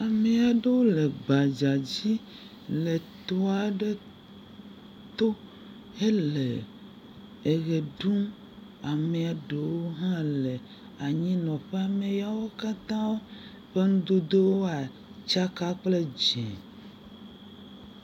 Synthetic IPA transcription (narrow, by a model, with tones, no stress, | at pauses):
a˨me˨a˨ɖe˦wo˦le˨ɡ͡ba˨d͡ʒa˨d͡ʑi˦ | le˨t̪ɔ˦a˨ɖe˦ | t̪o˦ | e˦le˨ | e˨ɣe˨ɖu˦m | a˨me˨a˨ɖe˨wwo˦ɦã˦le˨ | a˨ɲĩ˦nɔ̃˨ɸe˦a˨mẽ˨ja˦wo˦ka˦t̪ã˦wo˦ | ɸe˦ŋũ˦d̪o˦d̪e˦wo˦a˨ | t͡ʃa˦ka˦k͡ple˦d͡ʒɛ̰̃˨